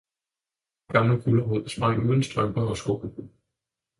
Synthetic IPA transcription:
ɡ̥ɑ̈mləfʰulɐɦo̝ð̰ˠsmɑ̈uðˠənsd̥ʁɶmb̥ɐɒsɡ̥o̰ː

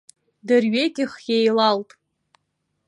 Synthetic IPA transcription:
dɨrɥekʲʼɪχjejlaltʼ

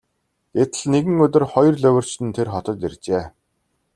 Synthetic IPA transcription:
ɡ̥et̪ə̆ɮneɣɘ̆ŋɵt̪ɪ̆rχɔjɞ̆rɮɵwʲɵ̆r̥t͡ɕt̪ɘ̆nt̪ʰerχɔt̪ɞ̆t̪ert͡ɕeː

